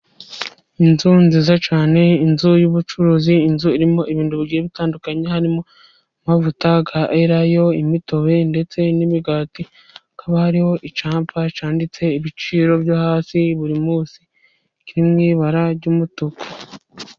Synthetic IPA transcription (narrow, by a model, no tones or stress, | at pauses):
inzunziːzat͡ʃaːne̞inzujuβut͡ʃuɾuziːnzuiɾimo̞ʔiβiːnduβiɡiːjeβitaːndukaɲehaɾimo̞ | mavutaɡaʔeɾajo̞imito̞βe̞nde̞t͡se̞niβiɡaːti | kʰaβahaɾiho̞ʔit͡ʃaːmpat͡ʃaːndit͡se̞iβit͡ʃiːɾo̞bjohaːsiβuɾimuːsi | kiɾimŋiːβaɾaɾɟuːmutuko̥